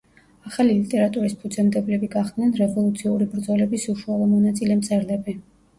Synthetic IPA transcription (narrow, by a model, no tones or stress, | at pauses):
aχalilit̪ʼɛɾat̪ʼuɾispʰud̪zɛmd̪ɛblɛbiɡaχd̪nɛnɾɛvɔlˠut̪sʰiuɾibɾd̪zɔlɛbisuʃualˠɔmɔnat̪sʼilɛmt̪sʼɛɾd̪ɛbɛ